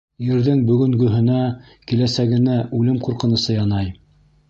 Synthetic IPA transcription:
jɘ̆ɾðɘŋbɵ̆ɡɵ̆ŋɡɵ̆ɦɘ̆næ | kilæsæɡɘ̆næʔʉlɘmquɾqɤ̆nɤ̆sɤjɑnɑj

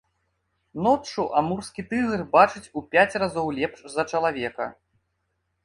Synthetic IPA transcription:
nɔt͡ʂuʔamurskʲit̪ɨɣɨrbat͡ʂɨt͡sʲupʲat͡sʲrazɔwlʲɛpʂzɐt͡ʂɐlˠavʲɛkɐ̰

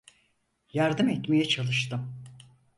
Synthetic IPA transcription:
jaɾd̪ɯmɛt̪mejɛt͡ʃʰalˠɯʃt̪ʰɯm

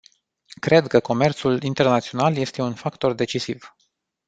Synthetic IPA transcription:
kɾe̞d̪kəko̞me̞rt̪sulint̪e̞rnat̪sio̞nalje̞st̪e̞unfakt̪o̞rd̪e̞t͡ʃisiv̥

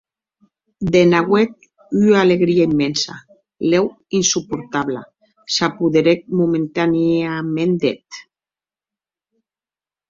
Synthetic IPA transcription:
d̪enaɣwek̚ | yaleɣɾiaimːensa̰ | lew | insupuɾt̪aβla | sapuðeɾek̚mument̪aniamend̪et̪

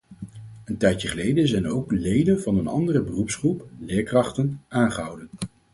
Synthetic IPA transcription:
əntɛjəχəlejdənzɛjnowklejdənvɑnənɑ̰ndərəbərupsχruplɪːɹkrɑχtənaːnχəɦʌwdən

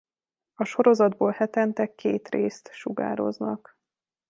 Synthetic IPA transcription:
ɒʃo̞ɾo̞zɒd̪boːlhɛt̪ɛnt̪ɛkːeːt̪reːst̪ʃuɡa̰ːɾo̞̰znɒk

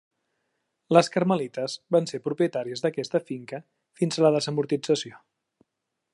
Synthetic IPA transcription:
ləskəɾməlit̪əzβansepɾupjət̪aɾiəzðəkɛst̪əfiŋkə | finzələðəzəmuɾt̪id͡zəsio

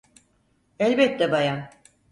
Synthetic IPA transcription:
ɛlʲbɛt̪ːɛbajan

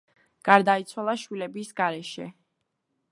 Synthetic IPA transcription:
ɡ̥aɾd̪ait̪sʰwalˠaʃwilɛbisɡaɾɛʃɛ̰

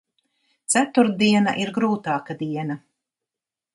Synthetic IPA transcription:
t̪sæt̪uɾd̪iɛna̰ʔiɾɡɾuːt̪aːkad̪iɛna

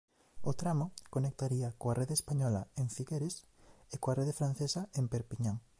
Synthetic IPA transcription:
ot̪ɾamokonek̚t̪aɾiɐkoarʔeðespaɲɔlɐeɱfiɣeɾes | ekoareðefɾãnθesɐempeɾpiɲõŋ

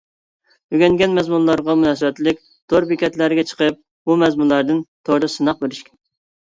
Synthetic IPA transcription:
yɡʲɛnɡʲɛnmɛzmunlˠɑɾʁɑmunɑːsɨbɛt̪lɪkʲ | d̪̥oɾpɪkʲɛt̪læɾɡʲɛt͡ʃʰə̥qəp̚ | bumɛzmunlˠɑɾd̪ɨnt̪ʰoɾɨsɨnɑqbeɾɪʃkʲɛ̥n

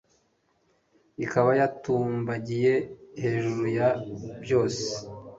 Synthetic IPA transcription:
ikaβajatuːmbaɟije̞he̞ːʒuɾujabjo̞ːse̥

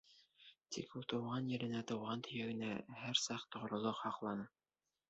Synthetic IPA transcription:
t̪ikulˠt̪ɤ̆wʁɑnjɘ̆ɾɘ̆næt̪ɤ̆wʁɑnt̪ʰɵ̆jæɡɘ̆næhæɾsɑqt̪ŏʁ̆ɾŏlˠoqhɑqlˠɑnɤ

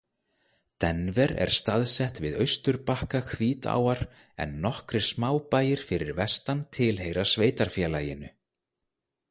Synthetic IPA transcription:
t̪ɛnvɛɾɛ̰ɾ̥st̪aðsɛht̪vɪðœɥst̪ʏɾpahkakʰviːt̪a̰ːwaɾ̥ | ɛ̰nːɔhkɾɪ̥smaːwpaːjɪɾ̥fɪɾɪɾvɛst̪ant̪ʰɪlɦeːjɾḁsveːjt̪aɾ̥fjɛːlaːjɪnʏ

